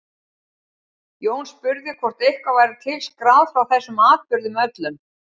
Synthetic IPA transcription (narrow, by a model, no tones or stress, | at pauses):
joːwnspʏɾðɪkʰvɔr̥t̪ehkvavaːjɾɪt̪ʰɪlskɾaːwðfɾawθɛsːʏmaːðpʏɾðʏmœt̪lʏm